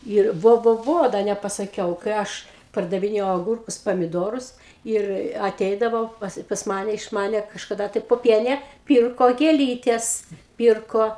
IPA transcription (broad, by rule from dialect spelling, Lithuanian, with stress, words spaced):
ɪr ˈʋoː ˈʋoː ˈʋoː dɐ nʲɛpɐsɐˈkʲɛʊ kɐɪ ˈɐʃ pɐrdɐʋʲɪˈnʲeːjɛʊ ɐˈɡʊrkʊs pɐmʲɪˈdoːrʊs ˈɪr ɐˈtʲɛɪdɐʋoː pɐs pɐs ˈmɑːnʲɛ ɪʃ ˈmɑːnʲɛ kɐʃkɐˈdɐ tɐɪ poːˈpʲiɛnʲeː ˈpʲiːrkoː ɡʲeːˈlʲiːtʲɛs ˈpʲiːrkoː